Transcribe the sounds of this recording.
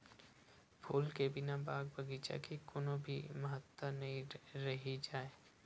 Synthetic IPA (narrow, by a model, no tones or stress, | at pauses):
pʰuːlkebɪnabaːɡ̚bʱəɡit͡ʃa̰kikʊnobʱiməɦət̪ːənɐɦĩɾɐɦid͡ʒaːe